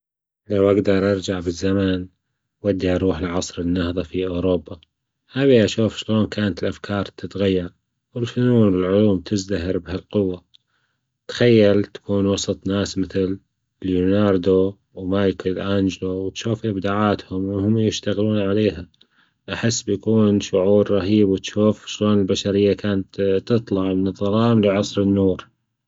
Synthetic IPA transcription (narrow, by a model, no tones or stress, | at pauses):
lawʔaɡd̪ɑɾˤʔɑɾˤd͡ʒaʕbɪzːamaːn | wad̪ːiʔɑɾˤuːħɪlʕɑsˤɾɪnːahðˤɑfiʔoːɾoːbːa | haðiʔaʃuːfʃloːnkʰaːnat̪ɪlʔafkʰɑːɾˤt̪ɪt̪ɣajːɑɾˤ | wɪlfʊnuːnɪlʕʊluːmt̪ʰɪzd̪aɦɪɾbhalqʊwːa | t̪xajːalt̪ḁkuːnwɑsˤɑt̪ˤnaːsmɪθɪl | ljunɑːɾˤd̪o | wmaːjkalʔaːnd͡ʒlowɪt̪ʃuːfʔɪbd̪aːʕaːt̪hʊmwɪhʊmːjɪʃt̪aɣluːnʕaleːɦa | ʔaħɪsːbjakuːnʃʊʕuːɾɾˤɑɦiːbwɪt̪ʃuːfʃloːnɪlbaʃaɾɪjːakʰaːnat̪t̪ɨt̪ˤlɑʕmɪnɨðˤɑɾˤɑːmlɪʕɑsˤɾɪnːuːɾ